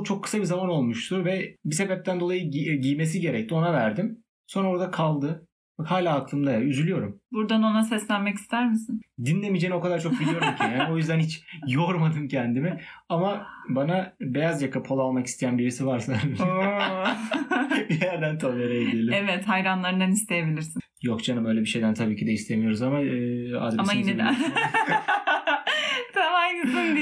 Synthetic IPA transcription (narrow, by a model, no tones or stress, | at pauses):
t͡ʃʰo̞kʰːɯ̥sabizamano̞lˠmuʃt̪ʰuvɛbise̞bɛp̚t̪ʰænd̪o̞lˠajɯɟijme̞s̬iɟe̞ɾɛc̚t̪ʰio̞navæɾd̪im | so̞nɾao̞ɾd̪akʰalˠd̪ɯ | bahaːlʲaːklˠɯmd̪ajayzylʲyjo̞ɾumbuɾd̪ano̞nasɛslʲænmɛci̥st̪ʰæɾmisind̪inlʲe̞mid͡ʒeːnio̞kad̪aɾt͡ʃʰo̞k̚bilijo̞ɾumcʰænjaːno̞jyzd̪ænhit͡ʃjoɾmad̪ɯmcʰɛnd̪imɛamabanabejazjakʰapʰo̞lˠalˠmaki̥st̪ʰejænbiɾisivaɾsa | bijæɾd̪ænt̪ʰolˠeɾajed̪elʲimɛvɛt̪hajɾanlˠaɾɯnd̪anist̪ʰejebilʲiɾsi | jokd͡ʒanɯmø̞jlʲɛbiʃe̞jd̪ænt̪ʰabiːcʰid̪ɛist̪ʰe̞mijo̞ɾuzamaɯːa̰d̪ɾamajinɛ | t̪ʰamajinɛto